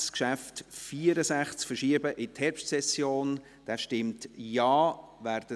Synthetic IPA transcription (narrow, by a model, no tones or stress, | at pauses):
skʃæftfiəɾəsæχt͡skfəɾʃiəbəʔɪthɛɾpʃtsɛsjoːn | d̥æːʃtɪmtjɑːvæːrd̥ə